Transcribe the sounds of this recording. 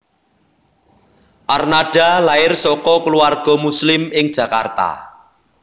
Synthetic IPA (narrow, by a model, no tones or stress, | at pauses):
ʔarnaɖ̥a̤laɪrsɔkɔkəluarɡ̥ɔ̤muslɪmɪŋd̥ʒ̥ä̤ka̰rt̪a̰